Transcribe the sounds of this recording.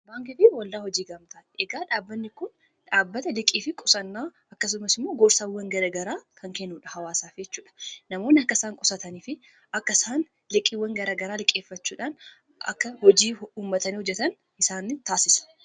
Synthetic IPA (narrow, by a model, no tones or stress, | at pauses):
baːŋkɪfɪwɐld̪aːhɔd͡ʒiːɡɐmt̪ɐʔɛɡaːᶑaːbːɐnːɪkʊn | ᶑaːbːɐt̪ɐlɪkʼiːfɪkʼʊsɐnːaː | ɐkːɐs̬ʊmɐsɪmːo̞ːɡɔːɾsaːwːɐŋɡɐlɐɡɐɾaːkʰɐŋkɛnːuːᶑɐhɐwaːsaːfd͡ʒɛt͡ʃːuːᶑɐ̥nɐmo̞ːnːɪɐkːɐsaːŋkʼɔsɐt̪ɐniːfɪ | ʔɐkːɐsaːn | lɪkʼːiːwɐŋɡɐɾaːɡɐɾaːlɪkʼeːfːɐt͡ʃːuːᶑaːn | ɐ̰kːɐhɔd͡ʒiːuːmːɐt̪ɐniːhɔd͡ʒːɛt̪ɐn | ʔɪsaːnːɪt̪aːsɪsɐ̥